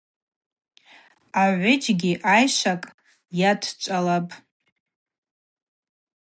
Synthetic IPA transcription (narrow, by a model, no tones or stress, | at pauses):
aʕʷʊd͡ʒɡʲiʔajʂakʼ | jatʰt͡ʃʷʼalapʼ